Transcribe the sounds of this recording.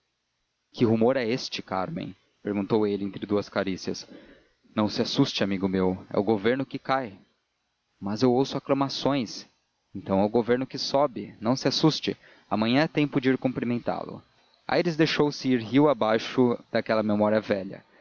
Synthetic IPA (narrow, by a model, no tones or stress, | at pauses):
kɪɦumoɾɛest͡ʃɪka̰ɾmḛ̃j̃ | peɾɡũnt̪owelɪẽnt̪ɾɪd̪uɐskaɾisiɐs | nɐ̃w̃sɪasust͡ʃɪamiɡʊmewɛ̰ʊɡoveɾnʊkɪkaj | mɐzewowsʊaklɐmasõj̃s | ẽnt̪ɐ̃w̃ɛʊɡoveɾnʊkɪsɔbɪnɐ̃w̃sɪasust͡ʃɪ | amɐ̃ɲɐ̃at̪ẽpʊd͡ʒɪiɾkõmplimẽnt̪a̰lʊ̰ | a̰jɾɪzd̪ejʃowsɪiɾɦiwabajʃʊd̪̥akɛlɐmemɔɾiɐvɛʎɐ̰